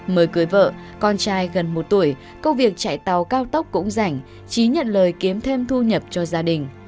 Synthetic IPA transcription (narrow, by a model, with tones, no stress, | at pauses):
məː˨˦jkɨ˨˦əjvə̰ː˧˨ | kɔ˧nt͡ɕaː˧jɣə˨˩nmo˨˩t̚t̪u˧˩əj | kə˧wvi˨˩ək̚t͡ɕa̰˧˨jt̪a˨˩wkaː˧wt̪ə˦˥wk͡p̚kːʊ̰˧˥ŋ͡mza˧˩jŋ̟ | t͡ɕi˨˦ɲə̰˧˨nləː˨˩jki˨˦əmt̪ʰe˧mt̪ʰu˧ɲə˨˩p̚t͡ɕɔ˧zaː˧ɗï˨˩ŋ̟